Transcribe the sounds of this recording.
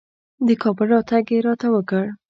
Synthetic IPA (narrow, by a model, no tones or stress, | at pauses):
d̪əkʰɑbəlɾɑt̪aɡeɾɑt̪awəkəɽ